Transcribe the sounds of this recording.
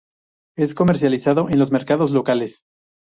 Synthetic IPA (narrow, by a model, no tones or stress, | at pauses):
e̞sko̞me̞ɾs̬jalisaðo̞ʔenlo̞zme̞ɾkaðo̞zlokale̞s